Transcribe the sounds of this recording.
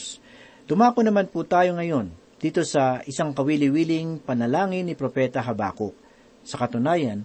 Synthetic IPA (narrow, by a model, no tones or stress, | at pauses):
s | d̪̥ʊmaːkonɐmanput̪aːjo̞ŋɐjo̞n | d̪̥iːt̪o̞sɐʔɪsaŋkɐwiːlɪwiːlɪŋpɐnɐlaːŋɪnːɪpɾopɛt̪ɐɦɐba̰ːkoʔ̚ | sɐkɐt̪ʊnaːjɐn